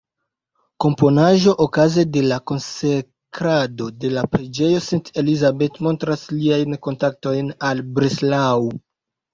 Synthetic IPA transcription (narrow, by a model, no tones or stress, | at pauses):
ko̞mpo̞naʒo̞ʔokazede̞lako̞nse | kɾado̞de̞lapɾed͡ʒe̞jo̞sunte̞lizabe̞tmo̞ntɾasliajnko̞ntak̚to̞jnalbɾeslaw